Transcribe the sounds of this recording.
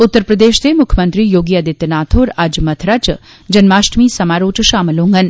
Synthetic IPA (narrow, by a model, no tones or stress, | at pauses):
ʊt̪ːəɾpɾɐd̪eːʃt̪emʊkʰjəmɐnt̪ɾiːjoːɡiːɐd̪ɪt̪naːt̪ʰoːɾɐd͡ʒmɐt̪ʰɾat͡ʃ | d͡ʒɐnmaːʃʈmiːsɐmaːɾoːt͡ʃʃaːməlõːŋɡɐn